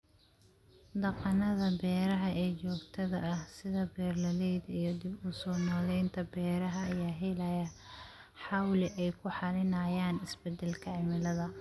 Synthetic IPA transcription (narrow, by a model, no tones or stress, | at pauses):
d̪ɐqɑnɐðɐbɛːɾɐɦɐʔɛːt͡ʃɔːɡt̪ʰɐðɐɐhsɪðɐbɛːrlɐlɛjd̪ɐijɞd̪ɪbuːsɔːnɔːlɛjnt̪ʰɐbɛːɾɐɦɐːjaːɦɛlɐjɐ | ħɑwlɪʔɛjkʰʊħɑlɪnɐjaːnɪsbɛd̪ɛlkʰɐʕɪmɪlɐðɐ